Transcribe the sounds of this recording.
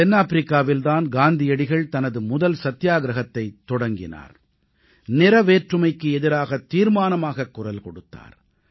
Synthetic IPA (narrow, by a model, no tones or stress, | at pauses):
ɛnːaːfɾɪkːaːʋɪlt̪aːnɡaːnd̪ɪjɐɽɪɣɐɭt̪ɐnɐðɯmʊðɐlsɐt̪ːjaːɡɾɐɣɐt̪ːɐɪt̪ːɔɽɐŋɡɪ̰na̰ːɾ | nɪɾɐʋeːʈrɯmɐɪkːɯɛðɪɾaːɣɐt̪ːiːɾmaːnɐmaːɣɐkːʊrɐlkɔɽɯt̪ːa̰ːɾ